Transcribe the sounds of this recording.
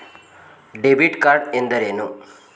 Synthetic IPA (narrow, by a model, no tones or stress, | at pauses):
ɖebiʈkaɾɖẽnd̪əɾenu